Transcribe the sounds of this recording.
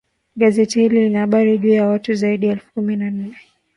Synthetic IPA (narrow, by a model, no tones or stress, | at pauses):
ɠazɛtihililinahaɓaɾiʄuːjawatuzaiɗiɛlfu̥kuminan̩nɛ